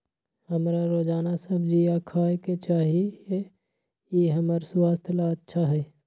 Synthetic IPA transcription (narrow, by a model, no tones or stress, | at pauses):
hɐmɾaɾoːd͡ʒaːnasɐbʱd͡ʒiaːkʰaːket͡ʃaːɦie | jeɦɐməɾswaːst̪ʰlaɐtːʃʰaɦɛː